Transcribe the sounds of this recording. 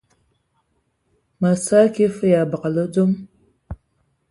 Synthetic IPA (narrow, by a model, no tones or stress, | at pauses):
mɐsaːkʲʰeːfɨjaːbɨqɐlɐdom